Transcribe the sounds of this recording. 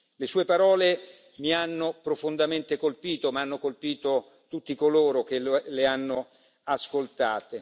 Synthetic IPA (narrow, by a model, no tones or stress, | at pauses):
lesuːepaɾɔːle | mianːopɾofond̪ament̪ekolpiːt̪omaanːokolpiːt̪o | t̪ut̪ːikoloːɾok̟eleanːo | askolt̪a̰ːt̪e